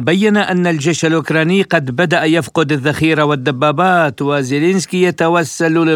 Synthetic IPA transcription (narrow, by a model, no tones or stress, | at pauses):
bajːanaʔanːald͡ʒeːʃalʔʊkɾˤɑːnɪːqɑd̪bad̪aʔjafqʊd̪aðːaxiːɾawɪd̪ːabːaːbaːt̪wɪzɪlenskijat̪awasːallɪ